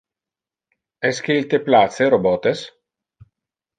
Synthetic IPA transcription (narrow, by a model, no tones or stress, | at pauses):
ɛsk̟eilt̪eplat̪seɾobɔt̪es